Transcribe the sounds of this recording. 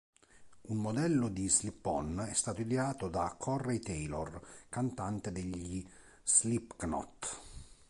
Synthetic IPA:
unmod̪ɛlːʊd̪islipːɔnɛst̪aːt̪oid̪ɛaːt̪od̪akʰɔrːejt̪ɛjlo̰rkant̪ant̪ed̪eʎːi | slipknɔ̰t̪

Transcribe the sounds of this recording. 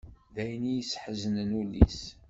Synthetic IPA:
ðæjnijəsːħəzənənulḭs

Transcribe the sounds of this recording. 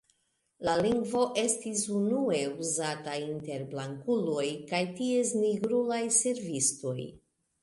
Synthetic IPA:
laliŋɡvo̞ʔe̞stisunue̞uzatainte̞ɾblaŋkulo̞jkajtie̞sniɡɾulajse̞ɾvisto̞j

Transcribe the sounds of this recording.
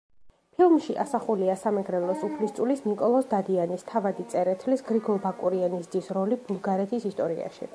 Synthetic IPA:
pʰilˠmʃiʔa̰saχuliasamɛɡɾɛlˠɔsupʰlist̪sʼulisnikʼɔlˠɔsd̪ad̪ianist̪ʰavad̪it̪sʼɛɾɛt̪ʰlisɡɾiɡɔlˠbakʼuɾianisd̪isɾɔlibulˠɡaɾɛt̪ʰisist̪ʼɔɾḭa̰ʃḭ

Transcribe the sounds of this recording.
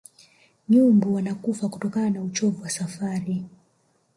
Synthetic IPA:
ɲumbuwanakufakutɔkananaut͡ʃɔvuwasafaɾi

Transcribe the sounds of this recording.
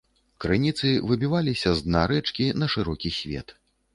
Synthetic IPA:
kɾɨnʲit̪sɨvɨbʲivalʲisʲɐzd̪naɾɛt͡ʂkʲinɐʂɨɾɔkʲisʲvʲɛ̰t̪

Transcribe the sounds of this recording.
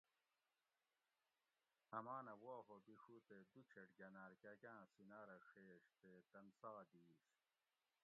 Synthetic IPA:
ɐmaːnɐwoːɦobixut̪ed̪ut͡ɕʰeʈɡɐnaːɾkɐkʲãːsinaːɾɐxeːʂt̪et̪ɐnsɐɣɐd̪iːɕ

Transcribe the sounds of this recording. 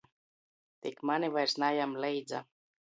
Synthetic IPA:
t̪ikmanʲivajɾsnajamlɛjd̪za̰

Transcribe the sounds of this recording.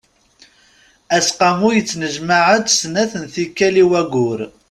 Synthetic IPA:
æsqɑmujət͡sːnəʒmaʕəd̪snæθənθikːæliwæɡʊɾ

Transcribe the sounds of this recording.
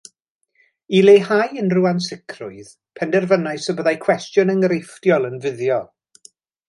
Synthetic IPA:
ilejhajənruansɪkʰrʊɨð̥ | pʰɛndɛrvənaɨsəbəðajkʰw̥ɛstjʊnəŋəɾeftjɔlˠənvɪðjɔ

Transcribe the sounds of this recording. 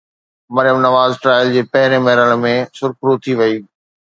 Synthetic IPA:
mɐɾjəmnɐʋaːzʈɾaːɪld͡ʑeːpɐɦɪɾẽmɐɦɪɾəɽ̃mẽsʊɾkʊɾot̪ʰiʋɐiː

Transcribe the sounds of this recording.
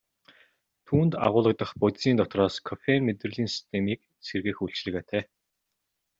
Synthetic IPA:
t̪ʰuːnt̪a̰ʁʊːɮə̆k̚t̪ə̆χpɔt̪siːnt̪ɔt̪rɔːskʰɔfenmet̪rɘ̆ɮiːnsi̥st̪ʰemiːk̚ | sʰerɣĕːxuɮt͡ɕɮɘ̆ɣeːt̪ʰæː

